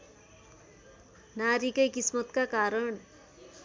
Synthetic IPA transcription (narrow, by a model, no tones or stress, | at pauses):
naɾikʌjkismʌt̪kakaɾʌɳ